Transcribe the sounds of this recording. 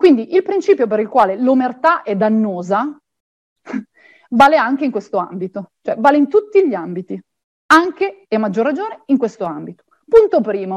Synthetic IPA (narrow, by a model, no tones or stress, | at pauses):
kwind̪iʔilpɾint͡ʃiːpjop̬eɾilkwaːlelomert̪aʔɛd̪anːoːza | baːleaŋk̟eiŋkwest̪oa̰mbit̪ot͡ʃoɛbaːleint̪ut̪ːiʎiambit̪i | aŋkeemːad͡ʒːorːad͡ʒoːneiŋkwest̪oambit̪o̥ | punt̪opɾiːmo